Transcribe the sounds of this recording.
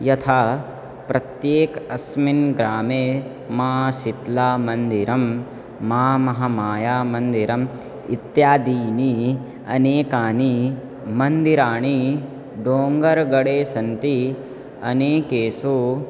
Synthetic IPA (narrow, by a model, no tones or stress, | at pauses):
jɐt̪ʰaː | pɾɐt̪jeːkɐsminɡɾaːmeː | maːʃit̪laːmɐnd̪iɾɐmː | aːmɐɦɐmaːjaːmɐnd̪iɾɐm | ḭt̪jaːd̪iːni | ɐ̰neːkaːni | mɐnd̪iɾaːɳ̃i | ɖoːŋɡɐɾɡɐɽeːsɐnt̪i | ɐneːkeːsu